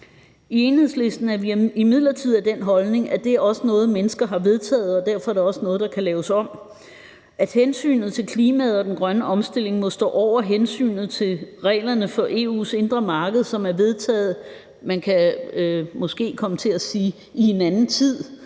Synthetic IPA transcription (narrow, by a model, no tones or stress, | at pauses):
ie̝nhe̝ð̰ˠsle̝sd̥n̩æɐʋiimið̰ˠlɐt͡sʰið̞̰ˠæd̥en̰ɦɒ̽lne̝ŋæd̥e̝æɐɒ̽sənɔ̽ːð̩ˠmenəsɡ̥ɐɦɑ̈ʋe̝ð̞ˠt͡sʰɛ̰ːð̞̩ˠɒ̽d̥æɐ̰fɒ̽æɐɾeɒ̽sənɔ̽ːð̞̩ˠd̥ɑ̈kʰælɛːʊsɒ̽m̰ | æd̥hensy̰ːnð̩ˠt͡sʰe̝lkʰliːmæð̞̩ˠɒ̽d̥enɡ̥ʁɶnəʔɒ̽msd̥e̝l̰e̝ŋmɔ̽sd̥ɔ̰ːʔɒʊ̰ɐɦensy̰ːnð̞̩ˠt͡sʰe̝lʁɛ̰ːlɐnəfɒ̽ʔe̝ːṵːse̝nd̥ʁɐmɑ̈ːɡ̥ð̩ˠsɒ̽mæɐʋe̝ð̞ˠt͡sʰɛ̰ːð̩ˠ | mænkʰæ | mɔ̽sɡ̥e̝̰ːkʰɒ̽mət͡sʰe̝æsiː | ie̝nænn̩t͡sʰið̰ˠ